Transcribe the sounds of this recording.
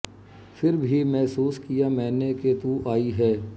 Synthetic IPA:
fʰɪɾbʱimɛɦsuːskijamɛ̃ːneket̪uʔaːiɦɛː

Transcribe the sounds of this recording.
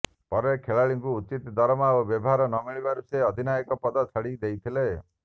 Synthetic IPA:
pɔɾekʰeɭaɭiŋkuːt͡ʃit̪d̪ɔɾɔmaobjɔbɔɦaɾɔnɔmiɭibaɾuseɔd̪ʱinajɔkɔpɔd̪ɔt͡ʃʰɔɽid̪ejt̪ʰile

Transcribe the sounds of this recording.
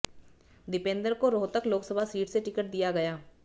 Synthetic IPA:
d̪ɪpẽːnd̪əɾkoɾoːt̪əkloːksəbʱasiːʈseʈɪkəʈ̚d̪ijaɡɐjaː

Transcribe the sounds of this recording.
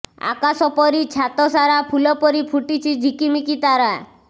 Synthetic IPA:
a̰kasɔpɔɾit͡ʃʰat̪ɔsaɾapʰulɔpɔɾipʰuʈit͡ʃʰid͡ʒʱikimikit̪aɾa

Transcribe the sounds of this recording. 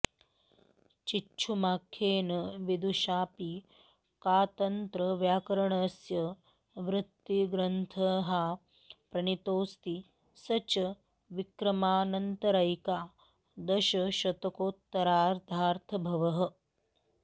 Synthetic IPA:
t͡ʃiʃʰumaːkʰːeːnɐʋid̪uʃaːpi | kaːt̪ɐnt̪ɾɐʋjaːkɐɾɐɳɐsjɐ | ʋɾɪt̪ːiɡɾɐnt̪ʰɐɦaː | pɾɐnit̪oːst̪i | sɐt͡ʃɐ | ʋikɾɐmaːnɐnt̪ɐɾɐjkaː | d̪ɐʃɐʃɐt̪ɐkoːt̪ːɐɾaːɾt̪aːɾt̪ʰɐbʱɐʋɐɦɐ̆

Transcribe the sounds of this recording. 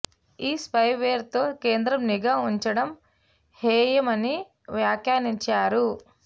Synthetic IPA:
iːspɐjʋeːɾt̪o̞ːke̞ːnd̪ɾɐmniɡaːuɲt͡ʃɐɽɐm | heːjɐmɐni | ʋjaːkjaːɾiɲt͡ʃaːɾu

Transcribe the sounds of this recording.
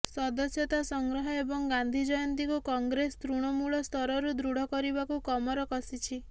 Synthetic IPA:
sɔd̪ɔsjɔt̪asɔŋɡɾɔɦɔebɔŋɡand̪ʱid͡ʒɔjɔnt̪ikukɔŋɡɾest̪ɾuɽ̃ɔmuɭɔst̪ʰɔɾɔɾud̪ɾuɽ̤ʱɔkɔɾibakukɔmɔɾɔkɔsit͡ʃʰi

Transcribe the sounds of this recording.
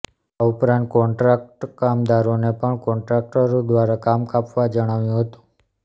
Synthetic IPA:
aupɾãnt̪̚kɔɳʈɾak̚ʈkamd̪aɾonepəɳkɔɳʈɾak̚ʈəɾd̪ʋaɾakamkapʋad͡ʒəɽ̃aʋjũɦət̪ũ̥

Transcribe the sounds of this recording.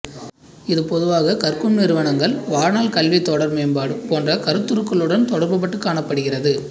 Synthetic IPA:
ɪðɯpɔðɯʋaːɣɐkɐrkɯmnɪɾɯʋɐɳɐŋɡɐɭʋaːɾnaːlkɐlʋit̪ːɔɽɐɾmeːmbaːɽɯpoːndrɐkɐɾɯt̪ːɯɾɯkːɐɭɯɽɐnt̪ɔɽɐɾbɐp̬ːɐʈːɯkːaːɳɐpːɐɽɯɣɪrɐðɯ

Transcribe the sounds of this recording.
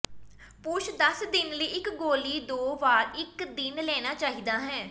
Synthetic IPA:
pʊːʃʰd̪əsd̪ɪnləiːɪkɡoːliːd̪oːʋaːɾɪkd̪ɪnlɛːñaːt͡ʃaːɦiːd̪aːɦɛ̃ː

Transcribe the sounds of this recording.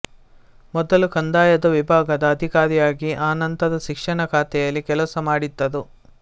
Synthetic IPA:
mɔd̪ɐlukɐnd̪aːjɐd̪ɐʋibʱaːɡɐd̪ɐːd̪ʱikaːɾijaːɡiʔaːnɐnt̪ɐd̪ɐʃikʂɐɳɐkʰaːt̪ɛjɐlːikɛlɐsɐmaːɽid̪ːɐd̪u

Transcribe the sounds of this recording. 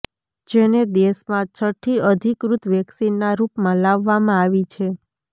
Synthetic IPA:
d͡ʒened̪esmãt͡ʃʰəʈʰːiəd̪ʱikɾut̪ʋɛksinːaɾupmãlaʋːamãaʋit͡ʃʰe

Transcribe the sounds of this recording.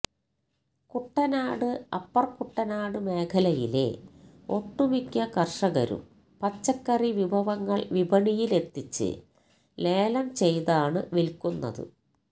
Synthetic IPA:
kuʈːɐnaːɽɨɐpːɐrkuʈːɐnaːɽɨme̞ːkʰɐlɐjile̞̰ | o̞ʈːumikʲːɐkɐrʂɐɣɐ̰ɾṵm | pɐt͡ɕːɐkːɐriʋibʱɐʋɐŋːɐɭʋibʱɐɳijile̞t̪ːit͡ɕːɨ̰ | le̞ːlɐmt͡ɕe̞jðaːɳɨʋilkunːɐ̰ðɨ̰

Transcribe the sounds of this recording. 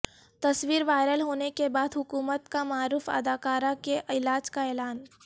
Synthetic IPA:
t̪ɐswiːɾʋaːɪɾəlɦoːnekebaːd̪ɦʊkuːmət̪kamaːɾuːfɐ̰d̪aːkaːɾakeʔɪlaːd͡ʒkaɛːlaːn

